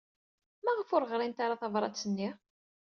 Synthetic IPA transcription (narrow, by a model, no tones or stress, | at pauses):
mæʁəfʊɾʁɾˤint̪aɾɑθɑvɾˤɑ̰t͡sːənːi